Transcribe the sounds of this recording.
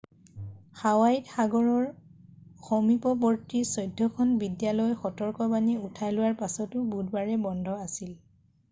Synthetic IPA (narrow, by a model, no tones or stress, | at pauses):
xawajtxaɡɔɹɔɹ | xɔmipɔbɔɹtisɔjdʱːɔkʰɔnbidjalɔjxɔtɔɹkɔbaniutʰajlʊwaɹpasɔtʊbudbaɹɛbɔndʱɔasil